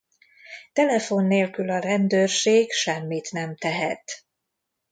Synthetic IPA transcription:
t̪ɛlɛfo̞nːeːlkylɒɾɛnd̪øːrʃeːɡʃɛmːit̪nɛmt̪ɛɦɛt̪

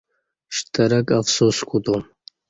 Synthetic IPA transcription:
ʃt̪ʰɐɾɐkafsuskʰut̪um

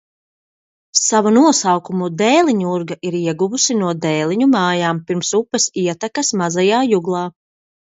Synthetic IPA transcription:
savunuɔsawkumud̪ɛjlˠiɲuuɾɡaʔiɾiɛɡuvusinuɔd̪ɛːlˠiɲumaːjaːmpiɾmsupːɛsiɛt̪akasmazajaːjuɡlˠɑː

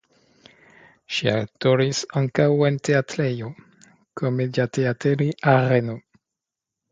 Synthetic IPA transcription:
ʃia̰wtoɾisaŋkawe̞nteatɾejo | kʰomedateateɾiʔaɾeno

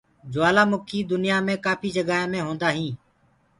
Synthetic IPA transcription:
d͡ʒʊʋaːlaːmʊkʰiːd̪ʊnɪjaːmẽːkaːpʰiːd͡ʒəɡaːeːmẽːɦõːnd̪aːɦĩː

